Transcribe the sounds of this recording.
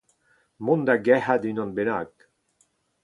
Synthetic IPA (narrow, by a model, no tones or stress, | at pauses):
mund̪aɡɛhad̪inɔnbenak